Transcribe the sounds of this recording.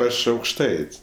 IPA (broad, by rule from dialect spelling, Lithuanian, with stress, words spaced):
ˈɐʃ ɐʊkʃˈtɐɪtʲsʲ